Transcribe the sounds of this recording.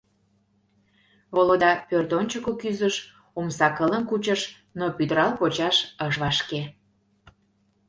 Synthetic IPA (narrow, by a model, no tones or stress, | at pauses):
βolod̪ɑpørt̪onʲt͡ɕəkokyzəʃ | omsɑkələmkut͡ɕəʃ | nopyd̪əɾɑlpot͡ɕɑʃəʃβɑʃke